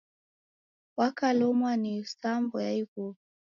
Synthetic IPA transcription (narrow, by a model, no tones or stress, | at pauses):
wakalɔmwanisambɔjaiku